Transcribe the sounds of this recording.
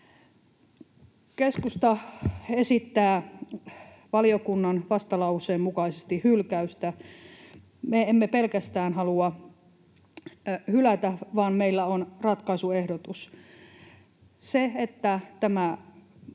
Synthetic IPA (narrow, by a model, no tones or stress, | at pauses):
keskust̪ɑesit̪ːæː | ʋɑliokunːɑnʋɑst̪ɑlɑusˑeːmmukɑisest̪ihylkæyst̪æ | meemːepelkæst̪æːnhɑluɑ | hylæt̪æʋɑːnmeilːæonrɑt̪kɑisuehdot̪us | seet̪ːæt̪æmæ